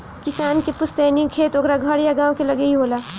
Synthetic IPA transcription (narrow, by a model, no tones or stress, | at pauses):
kɪsaːnkepʊst̪eːnikʰeːt̪oɡɾaɡʱɐɾjaɡaːwkelɐɡeiɦoːlaː